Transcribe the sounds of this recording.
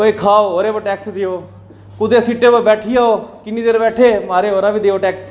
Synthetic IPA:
koːikʰaːooːɾeboʈɛːksd̪ɪjoː | kʊd̪esiʈebobɛːʈʰijaːokɪniːd̪eːɾbɛːʈʰeːmaːɾeɦoːɾabʱid̪eːoʈɛːks

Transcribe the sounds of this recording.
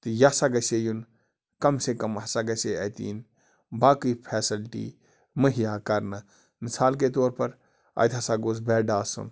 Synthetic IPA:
t̪ɨjasaːɡɐseːjun | kɐmsekɐmɦɐsaɡɐseɐ̰t̪ḭːn | baːkɨpʰɛːsilʈḭː | məɦijaːkɐɾnɐ | mɪsaːlket̪oːɾpɐɾ | ɐ̰jt̪ʰɐsaːɡoːzbɛːɖaːsṵn

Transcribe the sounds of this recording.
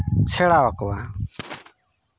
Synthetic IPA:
t͡ʃʰɛɽawakɔwa

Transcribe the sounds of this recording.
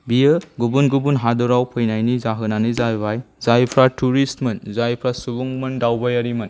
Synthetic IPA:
bijɯɡubunɡubunɦadɔɾawpʰɯjnajnizaɦɯnanɯzajbajzajpʰɾatuɾistmɯnzajpʰɾasubuŋmɯndawbajaɾimɯn

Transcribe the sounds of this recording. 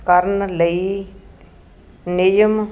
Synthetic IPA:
kəɾnləi | nɪjəm

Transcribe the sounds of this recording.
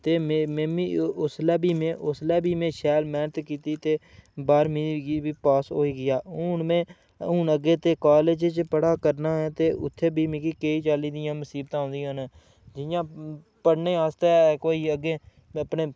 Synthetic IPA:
t̪eːmemẽːmiʊslɛːbiːmẽːʔʊslɛːbiːmẽːʃɛːlmɛːnət̪kiːt̪iːt̪eːbaːɾmĩːɡibiːpaːsoːiːɡɪjaːʊːnmẽː | ʊːnəɡeːt̪eːkaːled͡ʒt͡ʃpəɽaːkəɾnaːɛːt̪eːʔʊ̰t̪ʰːeːbʱiːmɪ̃kiːkeːiːt͡ʃaːliːd̪ɪjãːməsiːbt̪ãːõːnd̪ɪjãn | d͡ʒɪjãː | pəɽneːaːst̪eːkoːiːəɡeː | əpneː

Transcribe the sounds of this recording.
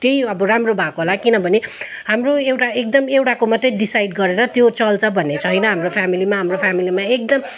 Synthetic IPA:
t̪jejʌbʌɾamrobʱakoɦolakinʌbʱʌneɦamroewʈaekd̪ʌmewʈakomʌt̪ːʌɖisajɖ̚ɡʌɾeɾʌt̪jot͡sʌlt͡sʰʌbʱʌnːet͡sʰʌɦʌjnʌɦamropʰjamilimaɦamropʰamilimaek̚d̪ʌm

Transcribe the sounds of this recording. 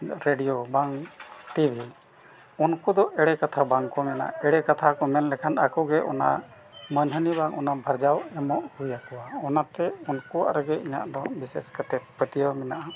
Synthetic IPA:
ɾeɖijobaŋʈibʱi | unkud̪ɔʔɛɽɛkat̪ʰabaŋkɔmɛna̰ɛɽɛkat̪ʰakɔmɛnlɛkʰanakɔɡɛʔɔ̰na̰ | mənɦənibaŋʔɔnabʱəɾd͡ʒawɛmɔʔhujakɔwaɔnat̪ɛunkuwa̰ʔɾəɡɛiɲa̰ʔd̪ɔbisɛskət̪ɛpət̪ijɔmɛnaʔa

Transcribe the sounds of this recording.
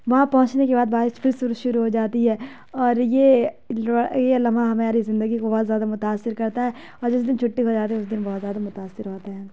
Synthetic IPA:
ʋɐɦãpɐɦʊ̃t͡ʃnekebaːd̪baːɪfʰɪɾsʊɾʃʊɾuɦod͡ʒaːt̪iɦɛː | ɔːɾje | jelɐmaɦɐmẽaːɾizɪ̃nd̪əɡikobɔːt̪zjaːd̪amʊt̪aːsːɪɾkɐɾt̪aɦɛː | ɔːɾd͡ʒɪs̬d̪ɪnt͡ʃʰʊʈːiɦod͡ʒaːt̪eɦɛʊs̬d̪ɪnbɔːt̪zjaːd̪amʊt̪aːsːɪɾɦoːt̪aɦɛ̃ː

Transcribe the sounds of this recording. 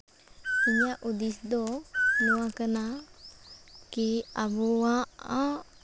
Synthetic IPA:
iɲaʔud̪isd̪ɔnɔwakəna | kiabɔaa

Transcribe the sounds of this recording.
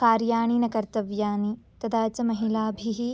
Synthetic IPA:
kaːɾjaːɳ̃iːnɐkɐɾt̪ɐʋjaːnit̪ɐd̪aːt͡ʃɐmɐɦilaːbʱiɦi

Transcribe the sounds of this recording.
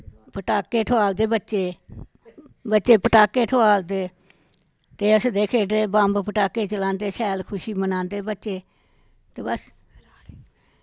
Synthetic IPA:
pəʈaːkeːʈʰʊaːld̪eːbətːt͡ʃeː | bətːt͡ʃeːpəʈaːkeːʈʰʊaːld̪eː | t̪eːəsd̪eːkʰeːeːbãːmbpəʈaːkeːt͡ʃəlãːnd̪eːsɛːlkʰʊʃiːmənãːnd̪eːbətːt͡ʃeː | t̪eːbəs

